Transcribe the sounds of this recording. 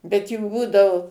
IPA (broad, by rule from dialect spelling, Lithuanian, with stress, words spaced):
bʲɛt juː ˈbuːdɐʋʊ